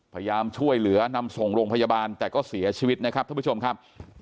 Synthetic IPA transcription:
pʰaː˧ja˧jaː˧mt͡ɕʰu˥˩əjlɯ˩˦ɐna˧mso˨˩ŋɾoː˧ŋpʰa˧jaː˧baː˧nt̪ɛː˨˩kɔː˥˩si˩˦ɐt͡ɕʰiː˧wi˦˥t̪̚na˦˥kʰa˦˥p̪̚ʰa˥˩˦t͡ɕo˧mkʰa˦˥p̚

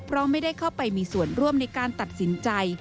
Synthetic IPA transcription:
pʰɾɔ˦˥mːa˥˩jda˥˩jkʰaː˥˩wpa˧jmiː˧su˨˩ənɾu˥˩əmna˧jkaː˧nt̪a˨˩t̪̚si˩˦nt͡ɕa˧j

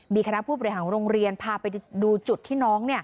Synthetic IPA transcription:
miː˧kʰa˧na˦˥pʰuː˥˩bɔː˨˧ɾi˧ɦaː˩˦nɾoː˧ŋɾi˧ənpʰaː˧pa˧jduː˧t͡ɕu˨˩t̪ʰːiː˥˩nɔː˦˥ŋni˥˩ə

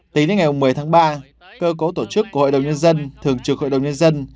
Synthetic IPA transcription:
t̪i˨˦ŋnə˨˦ŋa˨˩jmu˨˩mɨ˨˩əjt̪ʰaː˨˦ŋɓaː˧ | kəː˧ko˨˦t̪o˧˩t͡ɕɨ˦˥kːu˧˩əho̰˧˨ɗə˨˩wŋ͡mɲə˧nzə˧nt̪ʰɨ˨˩əŋt͡ɕɨ˨˩əkho̰˧˨jɗə˨˩wɲə˧nzə˧n

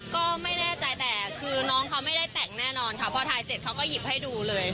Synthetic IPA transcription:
kɔː˥˩ma˥˩jnɛː˥˩t͡ɕa˧jt̪ɛː˨˩kʰɯː˧nɔː˦˥ŋkʰa˦˥wma˥˩jda˥˩t̪ɛ˨˩ŋnɛː˥˩nɔː˧nkʰa˦˥˩pʰɔː˧t̪ʰaː˧jse˨˩t̪̚kʰa˦˥wkɔː˥˩ji˨˩p̚ha˥˩jduː˧lɤː˧j

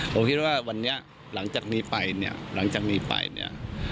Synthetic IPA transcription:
pʰo˩˦mkʰi˦˥t̪̚waː˥˩wa˧nːi˦˥ɐ | la˩˦ŋt͡ɕaː˨˩k̚niː˦˥pa˧jnḭ˥˩ɐla˩˦ŋt͡ɕaː˨˩k̚niː˦˥pa̰˧jnḭ˥˩ɐ

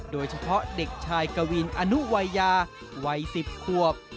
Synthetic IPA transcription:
doː˧jt͡ɕʰa˧pʰɔ˦˥de˨˩k̚t͡ɕʰaː˧jka˧wi˧nʔa˧nu˦˥wa˧jːaː˧ | wa˧jsi˨˩p̚kʰu˨˩əp̚

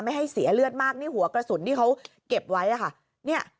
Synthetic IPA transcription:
ma˥˩jɦa˥˩jsi˨˩˦ɐ˦lɯ˥˩ət̪̚maː˥˩k̚niː˥˩ɦu˩˦ɐkɾa˧su˨˩˦nt̪ʰiː˥˩kʰa˦˥w | ke˨˩p̚wa˦˥jʔa˨˩kʰa˥˩ | ni˥˩ɐ

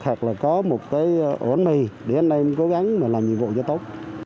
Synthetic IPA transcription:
xʰaː˨˩k̚laː˨˩kɔ˨˦mo˨˩t̚kaː˨˦jʔo˧˩ə˦nmi˨˩ɗe˨˦nʔa˧jko˨˦ɣa˨˦ŋmaː˨˩laː˨˩mɲḭ˨mvo̰˧˨t͡ɕɔ˧t̪o˦˥t̚

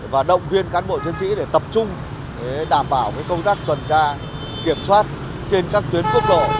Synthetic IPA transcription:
vaː˨˩ɗə̰˧˨wŋ͡mvi˧ənkaː˨˦nɓo̰˧˨t̪ʰi˨˦ənsḭ˧˥ɗe˧˩t̪ə˨˩p̚t͡ɕʊ˧ŋ͡m | ɗaː˧˩mɓaː˧˩wvaː˨˦jkə˧wŋ͡mt̪aː˦˥k̚t̪wə˨˩nt͡ɕaː˧ | ki˧˩əmswaː˦˥t̚ | t͡ɕe˧nkaː˦˥k̚t̪wi˨˦ənku˦˥ək̚ɗo̰˧˨

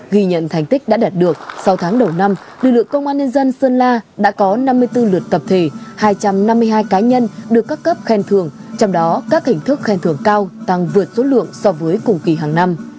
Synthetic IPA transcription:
ɣi˧ɲə̰˧˨nt̪ʰa˨˩jŋ̟t̪ï˦˥k̟̚ɗa̰ː˧˥ɗaː˨˩t̚ɗɨ˨˩ək̚sa˨˧wt̪ʰaː˨˦ŋɗə˨˩wna˧m | lɨ˨˩k̚lɨ̰˧˨əŋkə˧wŋ͡mʔaː˧nɲə˧nzə˧nsəː˧nlaː˧ɗa̰ː˧˥kɔ˨˦na˧mːɨ˧əjt̪ɨ˧lɨ˨˩ət̚t̪ə˨˩p̚t̪ʰe˧˩haː˧jt͡ɕa˧mna˧mːɨ˧əɦaː˧jkaː˨˦ɲə˧nɗɨ˨˩əkːaː˦˥kːə˦˥p̚xɛ˧nt̪ʰɨ˧˩əŋt͡ɕɔ˧wŋ͡mɗɔ˨˦kaː˦˥k̚t̪ï˧˩ŋ̟t̪ʰɨ˦˥k̚xɛ˧nt̪ʰɨ˧˩əŋkaː˧wt̪a˧ŋvɨ˨˩ət̚so˨˦lɨ̰˧˨əŋsɔ˧vəː˨˦jkʊ˨˩ŋ͡mki˨˩ɦaː˨˩ŋna˧m

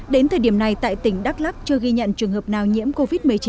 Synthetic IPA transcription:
ɗe˨˦nt̪ʰəː˨˩jɗi˧˩əna˨˩jt̪a̰ː˧˨jt̪ï˧˩ŋ̟ɗa˦˥k̚la˦˥k̚t͡ɕɨ˧əɣi˧ɲə̰˧˨nt͡ɕɨ˨˩əŋhəː˨˩p̚naː˨˩wɲḭ˧˥əmko˧vi˦˥t̚mɨ˨˩ət͡ɕi˨

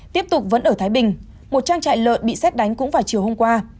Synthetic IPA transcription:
t̪i˦˥əp̚t̪ʊ˨˩k͡p̚və̰˨˦nʔəː˧˩t̪ʰaː˨˦jɓï˨˩ŋ̟ | mo˨˩t̚t͡ɕaː˧ŋt͡ɕa̰ː˧˨jlə̰ː˧˨t̚ɓḭ˧˨sɛ˦˥t̚ɗa˨˦jŋ̟kʊ̰˧˥ŋ͡mvaː˨˩wt͡ɕi˨˩əwho˧mkwaː˧

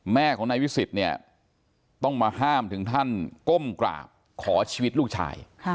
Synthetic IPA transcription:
mɛː˥˩kʰɔː˩˦ŋna˧jpʰi˦˥si˨˩t̪̚ni˥˩ɐ | t̪ɔ˥˩ŋmaː˧haː˥˩mt̪ʰɯ˩˦ŋt̪ʰa˥˩nko˥˩mkla̰ː˨˩p̚ | kʰɔː˩˦t͡ɕʰiː˧wi˦˥t̪̚lu˥˩k̚t͡ɕʰa̰ː˧jʰ

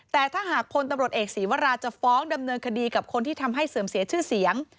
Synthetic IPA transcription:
t̪ɛː˨˩t̪ʰaː˥˩ɦaː˨˩k̚pʰo˧nt̪a˧mɾu˨˩ət̪̚ʔeː˨˩k̚siː˩˦wa˧˥ɾaː˧t͡ɕa˨˩fɔː˦˥ŋda˧mnɤː˧nkʰa˧diː˧ka˨˩p̚kʰo˧nt̪ʰiː˥˩t̪ʰa˧mɦa˥˩jsɤː˩˦msi˨˩˦t͡ɕʰɯː˥˩si˩˦əŋ

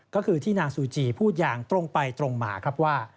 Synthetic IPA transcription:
kɔː˥˩kʰɯː˧t̪ʰiː˥˩naː˧ŋsuː˨˦t͡ɕiː˧˩pʰuː˥˩t̪̚jaː˧ŋt̪ɾo˧ŋpa˧jt̪ɾo˧ŋma̰ː˩˦kʰɾa˦˥p̚waː˥˩

